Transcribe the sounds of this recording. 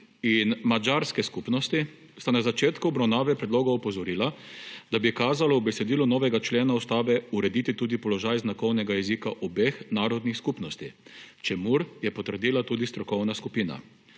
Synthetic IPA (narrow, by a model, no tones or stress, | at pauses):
inmad͡ʒaɾskɛskupnɔst̪i | st̪anazat͡ʃeːt̪kubɾawnaːʋɛpɾɛd̪loːɡɔɔpɔzɔɾiːlad̪abikaːzalɔubɛsɛd̪iːlunɔːʋɛɡat͡ʃleːnaust̪aːbɛuɾɛd̪iːt̪it̪uːd̪ipɔlɔʒaːjznakɔwnɛɡajɛzikaʔɔbeːxnaːɾɔd̪nixskupnɔst̪it͡ʃɛmuɾjɛpɔt̪əɾd̪iːlat̪uːd̪ist̪ɾɔkɔwnaskupiːna̰